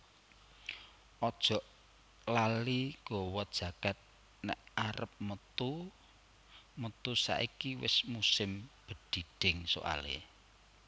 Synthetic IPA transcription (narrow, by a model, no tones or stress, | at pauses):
ʔɔd̥ʒ̥ɔ̤ʔ | laliɡ̥ɔwɔd̥ʒ̥ä̤ɡ̥at̪̚ | nɛ̰ʔaɾəp̚mət̪u | mət̪usa̰ʔikiwɪsmusɪmb̥ə̤d̥i̤d̥ɪŋso̰ʔa̰lḛ